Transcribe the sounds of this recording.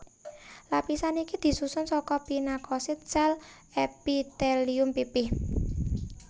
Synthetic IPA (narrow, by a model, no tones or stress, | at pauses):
lapisanikid̪̥i̤susʊnsɔkɔpinakɔsɪt̪̚sɛl | ɛpit̪ɛliʊmpipɪh